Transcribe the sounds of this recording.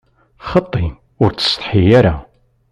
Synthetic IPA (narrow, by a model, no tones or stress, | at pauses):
χət̪ˤːi | ʊɾt͡sə̥st̪ˤħijɐɾa